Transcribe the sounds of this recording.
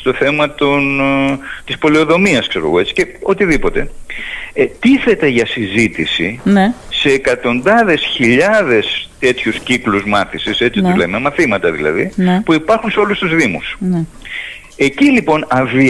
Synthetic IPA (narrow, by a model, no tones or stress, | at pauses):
st̪o̞θe̞mɐt̪on | t̪ispo̞lio̞ðo̞miɐskse̞ɾo̞ɣo̞e̞t͡si̥ce̞o̞t̪iðipo̞t̪e̞̰ | t̪iθe̞t̪e̞ʝɐsizit̪isinese̞ːkɐt̪o̞nd̪ɐðe̞sçiʎɐðe̞st̪e̞t̪çuscikluzmɐθisise̞t͡sit̪uzlememɐθimɐt̪ɐðḭlɐ̰ðipuipɐɾxunseo̞lust̪uzðimusn | e̞cilipo̞nɐvi